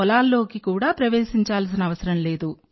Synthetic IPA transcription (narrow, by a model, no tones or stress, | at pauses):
ɔlaːlːo̞ːkikuːɽaːpɾɐʋeːʃiɲt͡ʃaːls̬inɐɐʋɐsɐɾɐmle̞ːd̪u